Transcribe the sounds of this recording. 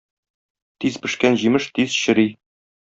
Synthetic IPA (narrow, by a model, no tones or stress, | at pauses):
t̪izpɘ̆ʃkænʑimɘʃt̪iz̥ɕɘ̆ɾi